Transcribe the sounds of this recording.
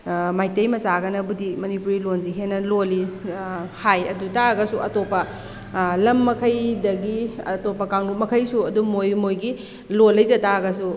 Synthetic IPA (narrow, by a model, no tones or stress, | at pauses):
majtejmɐsaɡɐnɐbudimɐnipuɾilonziɦenɐloli | hajɐdutaɡɐsuʔɐtopɐ | lɐmːɐkʰɐjdɐɡiɐtopːɐkaŋlup̚mɐkʰɐjsuɐdumojmojɡi | lolːɐjzɐtaɡɐsu